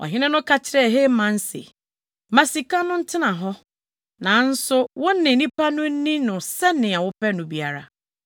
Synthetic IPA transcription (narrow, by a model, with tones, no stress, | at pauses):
ɔ̰˨ɦɪ˦nɪ̃˦nʊ̃˦kʰa˨t͡ɕʰɪ˦ɾɛ˦˨ɦe˦mã˨n̩˦sḛ˨ | mã˨si˨kã˦nʊ̃˦n̩˦tʰɪ˦nã˨ɦɔ˦ | nã˨˦n̩˦sʊ˦wʔʊ̃˦nːɪ̃˨nĩ˦pa˦nʊ̃˦n̩˦nĩ˦nʊ̃˨sɛ˦nɪ̃˨a˨wʊ˦pɛ˦nʊ̃˨bi˦a˨ɾa˨